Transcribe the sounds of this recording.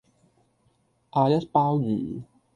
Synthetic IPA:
ʔaː˧jɐ˦˥t̚paː˦˥wjḭː˨˩˦

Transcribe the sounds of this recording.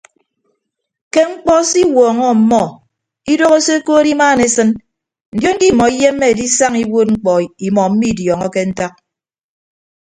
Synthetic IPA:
ke˦ŋ͡m̩˦k͡pɔ˦si˦wɔː˨ŋɔ˦˨m̩˨˦mɔ˦ | i˦do˦ɣo˦se˦koː˦ɾi˦maː˦˨ne˨sɨ˦n | n̩˨djo˦ŋ̩˦ɡi˦˨mɔ˨i˦je˦mːe˦e˨di˦sa˦ŋi˦wo˦t̚ŋ͡m̩˦k͡pɔ˨i˨mɔ˨m̩˦mi˦˨djɔ˨ŋɔ˦ke˦n̩˦ta˦k̚

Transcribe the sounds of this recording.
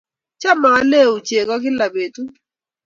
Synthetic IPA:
t͡ʃa˦ma˨a˦le˦˨u˨t͡ʃe˨kɔ˦k̬ɪ˦la˨be˨tu˦

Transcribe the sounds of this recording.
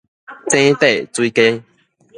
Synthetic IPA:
t͡sẽ˦t̪e˥˨t͡swi˦ke˦

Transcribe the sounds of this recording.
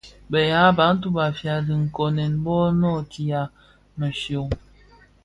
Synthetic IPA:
bə˨ja˦ba˨˦n̩˦t̬u˦ba˨fja˨di˨ŋ̩˨kɔ˨nɛ˨n˦bɔː˦nɔ˦˨tʰi˨a˨ | mə˨ʃjo˨ŋ

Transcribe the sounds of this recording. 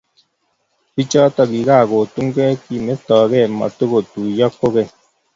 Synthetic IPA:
bi˦t͡ʃɔ˦t̪a˨bi˨ɣa˦˨ɣo˨t̪u˦ŋɡɛ˦ki˨me˦t̪ɔː˨ɣɛ˦˨ma̰˨t̪o˦ɣo˨t̪u˨jɔ˦kːo˦ɣe˦˨

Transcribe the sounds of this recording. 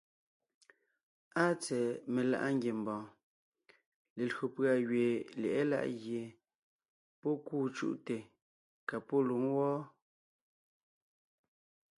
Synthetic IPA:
a˦t͡sɛ˨me˨la̰˨ʔa˦ŋɡʲje˨m˨bɔ̃ː˨ | le˨lɰo˨pɰa˨ɣɥe˨lɛ̰˨ʔɛ˦la̰˦ʔɣje˨ | pɔ˦kuː˦˨t͡ʃṵ˦ʔte˨ | ka˨pɔ˦lu˨˦ŋwɔː˦

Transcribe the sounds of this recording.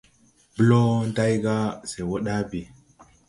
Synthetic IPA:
bə˦lo˦nda˦jɡa˦se˨wo˦ɗa˦bi˨

